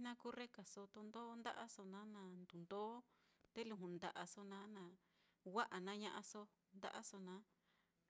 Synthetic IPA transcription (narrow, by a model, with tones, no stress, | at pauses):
nã˦kuː˦re˦ka˨so˧t̪o˧nd̪o˦nd̪a̰˦ʔa˦so˧nã˦nã˧˨nd̪u˨nd̪o˦ | t̪e˦lũ˧ɦũ˨nd̪a̰˨˧ʔa˧so˧nãː˨˦nã˨ | wa˦ʔa˨nã˦ɲã˧ʔã˧so˧ | nd̪a̰˦ʔa˦so˧nã˨˦